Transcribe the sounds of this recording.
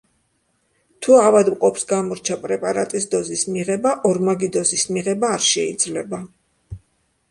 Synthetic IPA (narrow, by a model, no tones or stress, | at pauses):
t̪ʰuavad̪mqʼɔpsɡamɔɾt͡ʃʰapʼɾɛpʼaɾat̪ʼisd̪ɔzismiʁɛbaʔɔɾmaɡid̪ɔzismiʁɛbaːɾʃɛid̪zlɛba